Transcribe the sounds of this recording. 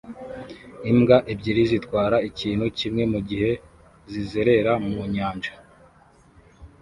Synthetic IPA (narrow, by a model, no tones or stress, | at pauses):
imɡaʔibɟiɾizitkwaːɾaiciːnhucimŋe̞muɟihe̞ | zize̞ɾe̞ɾamuɲaːɲd͡ʒḁ